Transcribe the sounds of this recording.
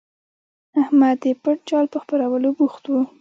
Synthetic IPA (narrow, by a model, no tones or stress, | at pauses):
ahmad̪ːəpəʈ̚t͡ʃɑlpəxpaɾawəlobuxt̪wu